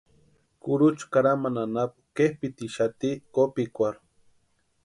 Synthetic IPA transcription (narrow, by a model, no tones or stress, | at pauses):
kuɾut͡ʃu̥kaɾamananapu̥kehpit̪iʃat̪ikopikʷaɾ